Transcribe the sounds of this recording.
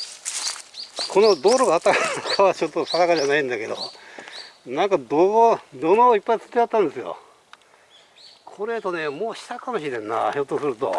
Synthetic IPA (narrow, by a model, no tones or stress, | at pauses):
kʰo̞nod̪o̞ːɾoɡaːt̪ːakkʰaβat͡ɕo̞t̪ːosanakaʑanaĩnd̪ake̞d̪o̰ | nãŋkad̪oɡod̪onoːipːait͡sɨ̥t̪ːeat̪ːãnd̪esɨjo̰ | kʰoɾe̞t̪o̞ne̞mo̞ːɕi̥t̪akamo̞ɕiɾẽ̞nːa̰çot̪ːosɨɾɯ̟t̪o̰